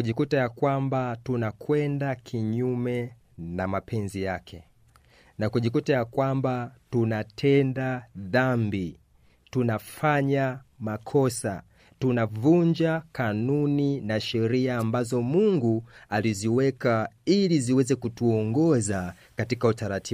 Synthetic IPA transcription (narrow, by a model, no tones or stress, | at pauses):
kuʄikutajakwambatunakwɛndakʰiɲumɛ | namapʰɛnzijakʰɛ | nakuʄikutajakwambatunatʰɛndaðambi | tunafaɲamakʰɔsa̰ | tunavuɲd͡ʒakanuninaʃɛɾiaːmbazɔmuŋɡualiziwɛkailiziwɛzɛkutuɔŋɡɔza | katikautaɾatʰi